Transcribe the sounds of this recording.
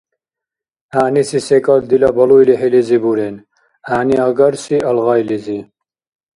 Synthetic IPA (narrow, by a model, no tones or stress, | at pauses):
aːnisisekʼɐld̪ilɐbɐlujliɦelizibuɾen | aːniaɡɐɾsiʔɐlɣɑjlizi